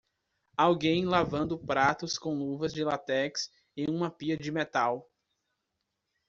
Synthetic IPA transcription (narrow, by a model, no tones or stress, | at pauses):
awɡẽj̃lavɐ̃nd̪ʊpɾat̪ʊskõw̃luvɐzd͡ʒɪlat̪ɛks | ẽj̃ũmɐpiɐd͡ʒɪmet̪aw